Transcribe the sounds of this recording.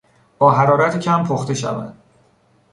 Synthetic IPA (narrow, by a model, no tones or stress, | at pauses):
b̥ɒːɦæɾɒːɾæt̪ʰecʰæmpʰoxt̪e̞ʃæ̰væ̰nd̪̥